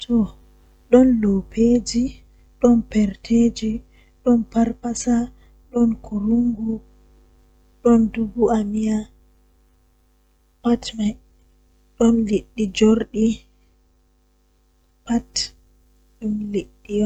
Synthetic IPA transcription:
tʰɔ | ɗɔnlopʰeːd͡ʒi | ɗɔnpɛɾtʰeːd͡ʒi | ɗɔnpaɾpasa | ɗɔnkʰuɾuŋɡu | ɗɔndubuamija | patmaj | ɗɔnliɗːid͡ʒoɾɗi | pat | ɗumliɗːijɔ

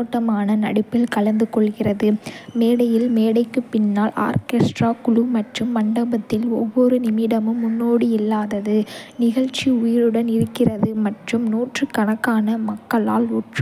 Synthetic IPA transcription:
oːʈːɐmaːnɐnɐ̰ɽɪpːɪlkɐlɐnd̪ɯkɔɭɣɪrɐðɯmeːɽɐjɪlmeːɽɐɪkːɯpːɪnːaːla̰ːɾkeːsʈraːkʊɻumɐʈrɯmːɐɳɖɐbɐt̪ːɪlɔ̰ʋːɔɾɯnɪmɪɽɐmɯmːʊnːoːɽɯɪlːaːðɐðɯnɪɣɐɻt͡ʃːiʊjɪɾɯɽɐnɪɾɯkːɪrɐðɯmɐʈrɯmnuːʈrɯkːɐɳɐkːaːnɐmɐkːɐɭa̰ːluːʈrɯ

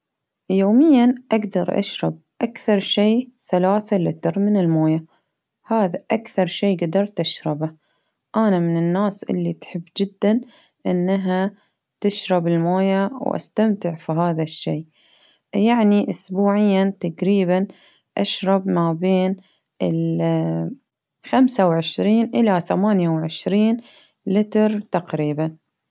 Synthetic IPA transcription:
joːmɪjːanʔaɡd̪ɑɾˤʔa̰ʃɾˤɑb̚ʔakθɑɾˤʃeːθalaːθalɪt̪ɪɾmɪnɪlmoːja | haːðaʔakθɑɾˤʃeːɡad̪ɑɾˤt̪ʔaʃɾˤɪba | ʔanamɪnɪnːaːsʔɪ̰lːit̪ħɪbːd͡ʒɪd̪ːan | ʔɪnːaɦa | t̪ɪʃɾˤɑbɪlmoːjawʔa̰st̪amt̪ɪʕfiɦaːðaʃːeː | jaʕniʔʊsbuːʕɪjːat̪aɡɾiːban | ʔaʃɾˤɑbmabeːn | ɪl | xamsawʕɪʃɾiːnʔɪlaθamaːnjawʕɪʃɾiːn | lɪt̪ɾt̪aqɾiːban

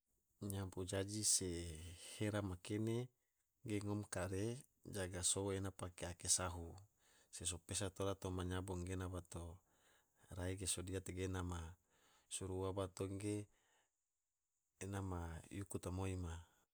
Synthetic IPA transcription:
ɲapud͡ʒad͡ʒiseheɾamakene | ɡeŋɔmkaɾe | d͡ʒaɡasoenapakeakesaɦu | ses̬opesat̪oɾat̪omaɲaboŋɡenabat̪o | raiɡesodiat̪eɡenama | suɾuabat̪oŋɡe | namajukut̪amoima

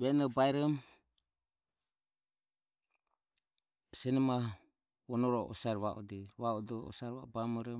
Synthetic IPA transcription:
βɛnɔbaɛɾɔm | sɛnɔma | wɔnɔɾɔʔɔ̰saɾβaʔɔ̰dɛβaɔdɔɔ̰saɾβabamɔɾɔ

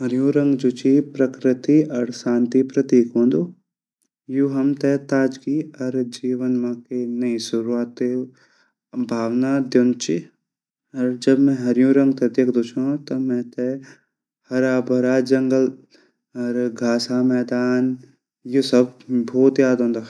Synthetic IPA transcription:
ɦɐɾjũːɾɐ̃ŋɡd͡ʒut͡ʃipɾɐkɾɪt̪iɐɾʃaːnt̪ipɾɐt̪iːkɦõːnd̪o | juɦɐmt̪ɛt̪aːd͡ʒkiɐɾd͡ʒiːʋənmaːkenɐisʊɾuaːt̪e | bʱaːʋnaːd̪jont͡ʃi | ɐɾd͡ʒɐbmɛ̃ɦɐɾjũɾɐ̃ŋɡ̚t̪ɛd̪eːkʰd̪ut͡ʃʰãːt̪ɐmɛ̃t̪ɛ | hɐɾaːbʱɐɾaːd͡ʒɐŋɡəl | ɐɾɡʱaːsamɛːd̪aːn | jusɐbbɔːt̪jaːd̪ʱɦõːnd̪aː

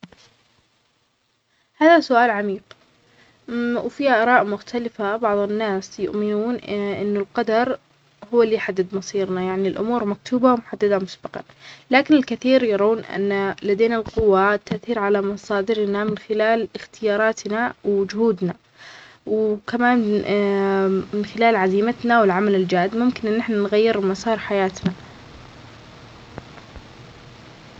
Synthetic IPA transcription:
haːðasʊʔaːlʕamiːq | wfiːaʔɑɾˤɑːʔmʊxt̪ʰalɪfabɑʕðˤɪnːaːsjʊ̰ʔmɪnuːnʔʔɪnːʊlqɑd̪ɑɾˤ | hʊwːalːijħad̪ːɪd̪mɑsˤiːɾnajaʕnilʔʊ̰muːɾmak̚t̪ʰuːbawmʊħad̪ːad̪amʊsbɑqɑ̰nlaːkɪnɪlkɪθiːɾjɑɾˤaːnʔa̰nːalad̪eːnalqʊwːat̪ːaʔθiːɾʕalamɑsˤɑːd̪ɪɾnamɪnxɪlaːlɪxt̪ɪjɑːɾˤɑːt̪nawd͡ʒʊhuːd̪na | wkamaːn | mɪnxɪlaːlʕaziːmat̪nawɪlʕamalɪld͡ʒaːʔd̪mʊmkɪnʔɪnːɪħnanɣajːɪɾmɑsˤɑːɾˤħajaːt̪na

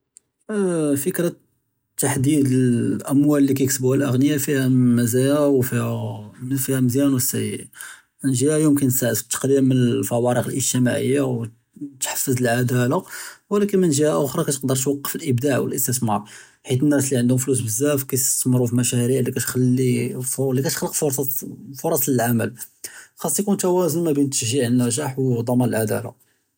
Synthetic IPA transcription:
fəkɾɑ | t̪ːaħd̪id̪əlʔəmwælːikæjksbuhælʔəɣnəjafihæmæzæjawfihæfihæməzjænwəsːæj | mənʒihæjumkænsaʕd̪ə̥t̪ːɑ̥qd̪imːənəfæwɑɾəqəlʔəʒt̪imaʕə̰jːaw | t̪ħə̥fːəzəlʕad̪æləwəlækənmənʒihæʔʊxɾˤɑkæjt̪q̚d̪əɾˤt̪wɑqːə̥fəlʔəbd̪aʕwə̰lʔəst̪əsmɑɾˤ | ħit̪ənːæsliʕənd̪hʊmflus̬bəzːæfkæjt̪ə̥smɾufimæʃæɾiʕlikæt̪xælːiflikæt̪xlːəqfoɾsfʊɾˤɑsˤləlʕaməl | xɑsˤːijkunt̪æwæzənmæbint̪ːəʃʒiʕənːæʒaħwd̪ˤɑmɑnəlʕad̪æ̰la̰

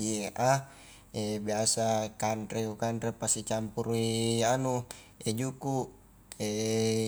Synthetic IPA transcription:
iʔa | ebiasakantɾeukanɾepasit͡ʃampuɾuianu | ed͡ʒuku | e

